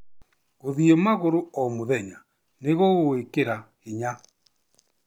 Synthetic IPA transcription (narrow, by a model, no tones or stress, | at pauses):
oðiemaɣoɾoɔmoðɛɲa | neɣɔɣoekeɾa | eɲa